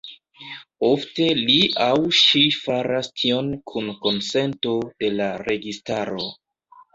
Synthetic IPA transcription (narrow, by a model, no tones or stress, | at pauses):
ofte̞liʔawʃifaɾastʰio̞nkʰunko̞nse̞nto̞d̥e̞laɾe̞ɡistaɾo̞